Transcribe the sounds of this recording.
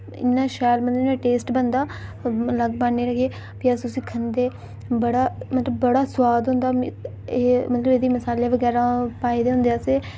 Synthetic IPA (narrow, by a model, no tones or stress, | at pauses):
ɪ̰nːãːʃaːɾmət̪lənãːʈeːsʈbənd̪aːləɡbaːneːɾəɡeː | biasʊsĩːkʰənd̪eː | bəɽaːmət̪ləbːəɽaːsʊwaːd̪ɦʊ̃nd̪aː | eːmət̪ləbed̪iːməsaːleːʋəɡɛːɾaːpaːed̪eːɦʊ̃nd̪eaːseː